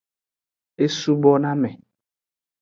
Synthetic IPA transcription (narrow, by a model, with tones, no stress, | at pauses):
e˦su˦bɔ˦nã˦mɛ̃˨